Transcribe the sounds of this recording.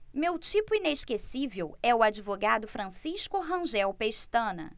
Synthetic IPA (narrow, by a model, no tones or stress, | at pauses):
mewt͡ʃipʊineʃkesivewɛʊad͡ʒivoɡad̪ʊfɾɐ̃siʃkʊɦɐ̃ʒɛwpeʃt̪ɐ̃nɐ̰